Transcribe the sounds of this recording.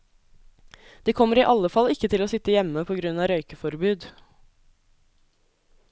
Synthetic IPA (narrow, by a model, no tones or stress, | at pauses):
d̪̥iːkʰɔməɾiːʔɑləfɑlɪkːət̪ʰɪloːsɪt̪əjɛməpʰoːɡɾʉnɑːɾœʏkəfɔɾbʉːd̪